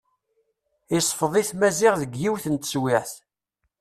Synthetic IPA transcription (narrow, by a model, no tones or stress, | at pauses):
isˤfəðˤiθmæzɪʁðəɡːiwθənt̪swɪʕθ